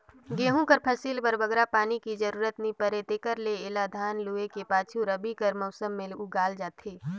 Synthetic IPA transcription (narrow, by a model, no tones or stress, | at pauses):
ɡeːɦõkəɾpʰɐsiːlpɐɾbɐɡɾapaːnikid͡ʒəɾuːɾət̪nĩpəɾet̪eːkəɾleɪlad̪ʱaːnluːekepaːt͡ʃʰuɾɐbikəɾmɐʊsəmːeluɡaːld͡ʒaːt̪ʰeː